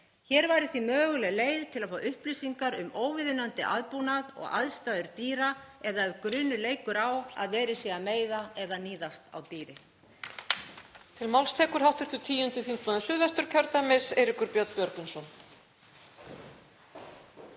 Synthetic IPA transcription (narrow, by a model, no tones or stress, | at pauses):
çɛːɾvaːjɾɪθimœːɣʏlɛɣleːjðt̪ʰɪlaðfaːwʔʏhplisiŋkaɾʏmoːwvɪðɪnant̪ɪʔa̰ðpunaðɔ̰ɣa̰ðst̪aðʏɾt̪iːɾaɛðaɛɾkɾʏːnʏleːjkʏɾawa̰ðvɛːɾɪsjɛɣameːjðaɛðaniːðast̪a̰wt̪iːɾɪ | t̪ʰɪlmawlst̪ʰɛːkʏɾ̥hawht̪ʏɾ̥θʏt̪ʰiːjʏnt̪ɪθiŋ̥kvanasʏːðvɛst̪ʏɾ̥cʰœɾt̪amɪseːjɾɪkʏɾpjɔt̪n̥pjœɾkʏnsɔn